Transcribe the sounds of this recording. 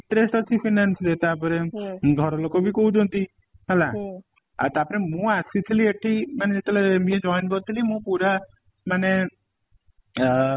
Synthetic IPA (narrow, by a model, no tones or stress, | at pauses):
iɳʈɾesʈɔt͡ʃʰipʰinanslet̪apɔɾẽɡʱɔɾɔlokobʱikoũd͡ʒɔ̃nt̪i | ɦɛla | at̪apɔɾemũasit̪ʰilieʈʰːimaneet̪ɔlamĩẽd͡ʒɔjnbɔt̪ʰilimũpuɾa | mane